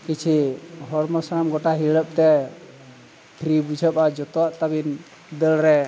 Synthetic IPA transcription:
kit͡ʃʰiɦɔɾmɔsnamɡɔʈaɦiɽəp̚t̪ɛ | t̪ʰɾibud͡ʒʱəpad͡ʒɔt̪ɔwaʔt̪abin | d̪əlɾɛ

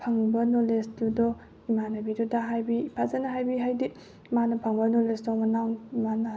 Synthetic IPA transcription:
pʰɐŋbɐnolestudɔ | imanɐbidɔdaɦajbipʰazanɐɦajbiɦajdi | manɐpʰɐŋbɐnolesdɔmɐnawnimanɐ

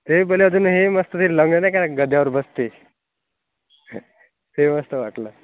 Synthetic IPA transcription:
t̪ebəlead͡zuːnɦeməst̪ət̪ʰiːlləŋɡənajkaɡəd̪jaʋəɾbəst̪e | t̪eməst̪əʋaʈləː

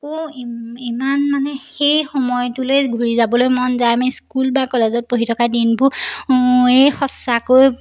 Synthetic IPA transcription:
ko | imanmanɛxejxɔmɔjtulejɡʱuɹizabɔlojmɔnzajmɛskulbakɔlɛzɔt̚poɦitʰɔkadinbʊ | ejxɔsakoj

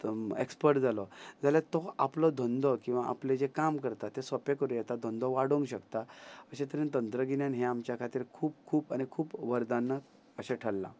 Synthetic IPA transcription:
ekspəɾʈd͡zalɔd͡zaljat̪ɔaplɔd̪ʱõnd̪ɔkĩw̃ʋaʔa̰pled͡ʑekamkəɾt̪at̪ːesɔpekəɾũjɛt̪ad̪ʱond̪ɔʋaɽoŋɡɕəkt̪aəɕẽt̪əɾẽnt̪ənt̪ɾəɡinjanɦeamt͡ɕjakʰat̪iːɾkʰuːp̚kʰuːpañikʰuːpʋəɾd̪anːə | əɕeʈʰəlːa̰

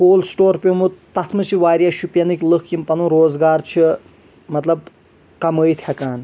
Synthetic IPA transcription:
koːlsʈoːɾpʲimut̪ɐt̪ʰmɨsʰiʋaːɾjaːʃupjɐnɨkʲlɨkʰkʲimpɐnuɾoːzɡaːɾt͡ʃʰi | mɐt̪lɐb | kɐməjt̪ʰʲɐkaːn

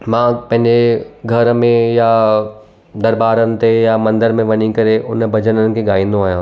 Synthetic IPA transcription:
mãːpɐ̃ɦɪ̃ɲd͡ʑeɡʱɐɾmẽja | d̪ɐɾbaːɾənɪ̆t̪ejamɐ̃nd̪əɾmẽʋɐɲikɐɾeʔʊnbʱɐd͡ʑənənɪ̆kʰeːɡaːĩːn̆d̪oaːɦjãː

